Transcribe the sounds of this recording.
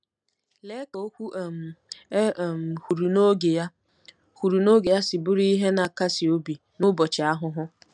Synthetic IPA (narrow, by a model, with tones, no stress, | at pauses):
le˦ko˨o˦kʷu˦ʔm̩˨˦˨ | m̩˨hu˨ɾu˨no˦ɡe˨ja˦ | hu˨ɾu˨no˦ɡe˨ja˦sɪ˨bʊ˦ɾi˦ɦe˦na˨ka˦si˨o˦bi˨ | nʊ˦bɔ˨t͡ʃɪ˨a˦ɦʊ˦ɦʊ˦